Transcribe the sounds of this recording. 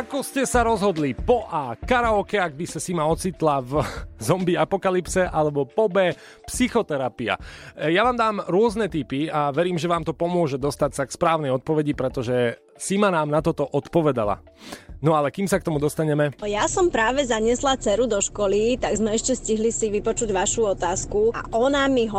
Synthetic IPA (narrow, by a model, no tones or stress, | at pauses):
akɔscɛsaɾɔzɦɔd̪lipɔʔaːkaɾaɔkɛaɡ̚bisasimaɔt͡sit̪lavzɔmbiapɔkalipsɛʔalɛbɔpɔbɛ | psixɔt̪ɛɾapia̰jaʋaːmd̪aːmɾʊɔznɛt̪ipiaʋɛɾiːmʒɛʋaːmt̪ɔpɔmʊɔʒɛd̪ɔst̪acsakspɾaːʊnɛjɔt̪̚pɔʋɛɟipɾɛt̪ɔʒɛ | simanaːmnat̪ɔt̪ɔʔɔt̪pɔʋɛd̪a̰la̰ | nɔalɛkiːmsak̚t̪ɔmud̪ɔst̪aɲɛmɛjasɔmpɾaːʋɛzaɲɪɛslat͡sɛɾud̪ɔʃkɔlit̪aɡzmɛɛʃcɛsciɦlisiʋipɔt͡ʃuɟʋaʃuɔt̪aːskua̰ʔɔnamiɦɔ